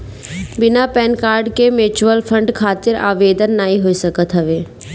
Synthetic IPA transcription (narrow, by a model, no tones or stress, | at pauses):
bɪnapɛːnkaːɾɖkemɪɾt͡ʃuəlpʰə̃ɳɖkʰaːt̪ɪɾa̰ːʋeːd̪ənːaːɦĩɦoːisəkət̪ɦɐʋeː